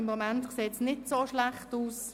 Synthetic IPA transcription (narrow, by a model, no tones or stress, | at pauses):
ɪmːomɛntkseːsnɪtsoːʃlaχtuːs